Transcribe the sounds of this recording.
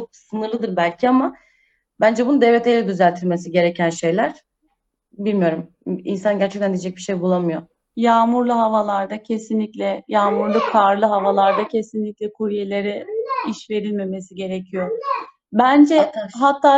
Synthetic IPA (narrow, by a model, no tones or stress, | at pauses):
osɯnɯɾlˠɯd̪ɯɾbælʲcʰiama | bænd͡ʒɛbunud̪evːet̪e̞jlʲɛd̪yzælʲt̪ʰiɾmes̬iɟe̞ɾecʰænʃe̞jlʲæɾ̥ | bilʲmijo̞ɾum | ḭnsanɟæɾt͡ʃʰɛk̚t̪ʰændid͡ʒɛc̚biʃejbulˠamɯjo̞ | jaːmuɾlˠuɦavalˠaɾd̪acʰe̞sinlʲiclʲɛjaːmuɾlˠukʰaɾlˠɯɦavalˠaɾd̪acʰe̞sinlʲicʲlʲɛkʰuɾjelʲe̞ɾɛiʃve̞ɾilʲme̞me̞siɟe̞ɾecʰijo̞ | bænd͡ʒɛɦat̪ʰːaː